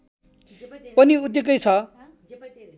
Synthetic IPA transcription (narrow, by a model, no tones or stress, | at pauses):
pʌniud̪jʌkʌjt͡sʰʌ